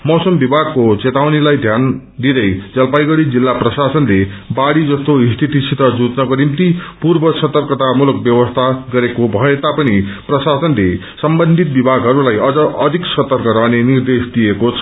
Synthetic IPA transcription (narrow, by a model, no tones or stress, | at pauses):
mʌsʌmbibʱaɡ̚kot͡set̪awnilajd̪ʱjan | d̪id̪ʌjd͡zʌlpajɡʌɽid͡zilːaprʌsasʌnlebaɽid͡zʌst̪oist̪ʰit̪isit̪ʌd͡zud͡znʌkonimt̪ipurbʌsʌt̪ʌrkʌt̪amuluk̚bjʌwʌst̪ʰaɡʌɾekobʱʌet̪apʌniprʌsasʌnle | sʌmbʌnd̪ʱit̪̚bibʱaɡɦʌɾulajʌd͡zʌʔʌd̪ʱiksʌt̪ʌrkʌɾʌɦnenird̪esd̪ijekot͡sʰʌ̥